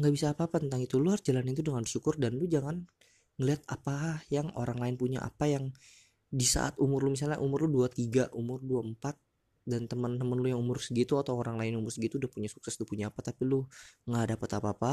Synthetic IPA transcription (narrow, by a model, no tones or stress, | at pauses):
ŋɡaʔbisaːpaːpat̪ənt̪aŋit̪uluard͡ʒalanint̪udəŋanbəʃukʊrdanlʊd͡ʒaŋan | ŋəliat̪apaɦahjaŋo̰ɾaŋlaɪnpuɲa̰ʔa̰pajaŋ | disa̰ʔa̰t̪umʊrlʊmis̬alɲaʔumʊrlʊhduat̪iɡaʔumʊrduaəmpat̪̚ | dant̪əmənt̪əmənlʊjaŋumʊrsəɡit̪uat̪awoɾaŋlaɪnumʊrsəɡit̪uːdahpuɲasu̥ksɛstʊpuɲaːpat̪apilʊŋɡadapət̪apaːpa